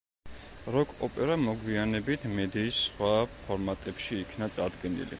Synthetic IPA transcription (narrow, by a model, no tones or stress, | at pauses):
ɾɔkʼɔpʼɛɾamɔɡwianɛbit̪ʰmɛd̪iːsːχwapʰɔɾmat̪ʼɛpʃiːkʰnat̪sʼaɾd̪ɡɛnḭlḭ